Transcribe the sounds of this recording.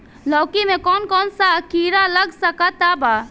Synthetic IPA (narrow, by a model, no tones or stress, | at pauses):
lɔːkimẽkɔːnkɔːnsakiːɾalɐɡsɐkat̪aːbaː